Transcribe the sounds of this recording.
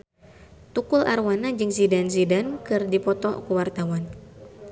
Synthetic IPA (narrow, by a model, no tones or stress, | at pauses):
t̪ukʊlarwanad͡ʒɨŋsidans̬idankɨrdipɔt̪ɔ̰kuwart̪awan